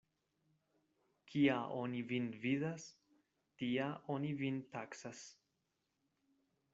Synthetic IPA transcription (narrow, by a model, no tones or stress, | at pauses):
kʰiaʔonivinviðas | tiaʔonivintaksas